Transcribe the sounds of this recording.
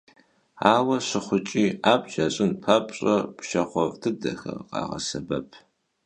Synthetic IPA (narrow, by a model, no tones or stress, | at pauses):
aːwɐɕɨχʷʊt͡ʃʼiːaːbʒaɕʼɪnpʰapʼɕʼɐpʰʃɐχʷɔvtʰɨdɐxɐ̰qɑ̰ːʁɐ̰sɐbɐpʰ